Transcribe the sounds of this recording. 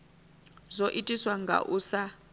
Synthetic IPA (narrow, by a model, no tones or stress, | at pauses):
zoʔitʼiswaŋɡʱa̰ʔusa